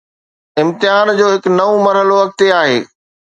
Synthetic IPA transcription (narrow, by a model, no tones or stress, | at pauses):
ɪ̃mt̪ɪɦaːnd͡ʑoːɦɪknɐʋomɐɾɦəloʋɐk̚t̪eaːɦeː